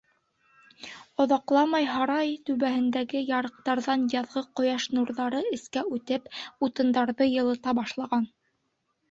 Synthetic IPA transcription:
ŏðɑqlˠɑmɑjɦɑɾɑjt̪ʉβæhɘ̆nd̪æɡɘjɑɾɤ̆q̚t̪ɑɾðɑnjɑðʁɤqŏjɑʃnuɾðɑɾɤɘ̆skæʉt̪ɘput̪ɤ̆nd̪ɑɾðɤjɤ̆lˠɤ̆t̪ɑbɑʃlˠɑʁɑn

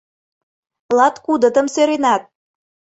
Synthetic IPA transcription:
lɑt̪kud̪ə̆t̪ə̆msøɾenɑt̪̚

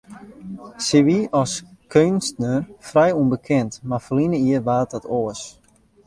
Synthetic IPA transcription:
siʋiɔskʰønstnərfrɛjunbəkʰɪntmafəlinəiərʋaːt̚ɔtʰoəs

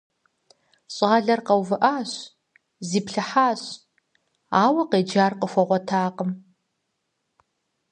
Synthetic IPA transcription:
ɕʼaːɮɐrqɐwvɨʔaːɕ | ziːpɬɨħaːɕ | aːwɐqeːd͡ʒaːrqʼəxʷɐʁʷɔtʰaːqʼəm

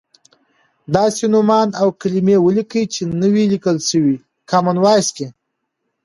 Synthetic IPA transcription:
d̪ɑsenʊmɑnawkalimewəlikəjt͡ʃenəwilikəlʃəwi | kɑmanwɑjske

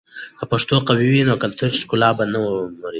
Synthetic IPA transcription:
kapaʂt̪oqawiwinokalt̪ʰuɾʃkulɑːbanawmaɾi

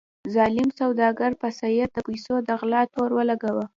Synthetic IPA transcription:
zɑlɪmsawd̪ɑɡaɾpasajat̪̚d̪əpajsod̪aɣlɑt̪oɾwəlaɡawə

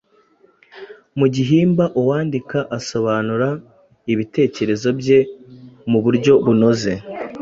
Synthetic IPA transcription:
muɟiɦiːmbaʔuwaːndikaʔaso̞βaːnuɾa | iβite̞ːce̞ɾe̞zo̞bje̞muβuɾɟo̞βuno̞ze̞

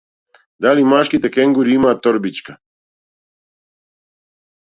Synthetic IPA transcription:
d̪alimaʃkit̪ekeŋɡuɾiimaːt̪oɾbit͡ʃka

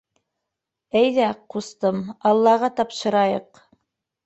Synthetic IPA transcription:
æjðæqust̪ɤmɑlˠːɑʁɑt̪ɑpʃɤ̆ɾɑjɤq

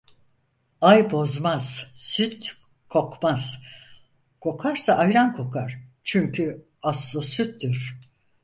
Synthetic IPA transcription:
ajbo̞zmaz̥syt̪ | kʰo̞kmaz̥ | kʰo̞kʰaɾsaʔajɾankʰo̞kʰaɾ̥t͡ʃʰyɲcʰy | aslˠosyt̪ːyɾ̥

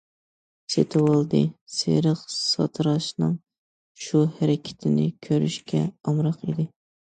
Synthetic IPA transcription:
set̪ʰɪwɑlˠd̪ɨsḛɾəqsɑ̰t̪ʰɨɾɑʃnɨŋ | ʃuhæɾɪkʲʰɪ̥t̪ʰɪnɪkʲʰøɾy̰ʃkʲʰɛɑmɾɑqid̪ɪ

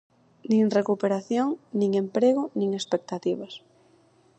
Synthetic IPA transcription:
nĩŋrekupeɾaθjoŋnĩŋempɾeɣʊnĩŋespek̚t̪at̪iβɐs

